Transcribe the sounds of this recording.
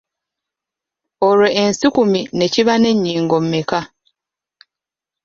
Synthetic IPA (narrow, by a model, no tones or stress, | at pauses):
oɾoʔensikumine̞ciβane̞ɲːiːŋɡo̞m̩meka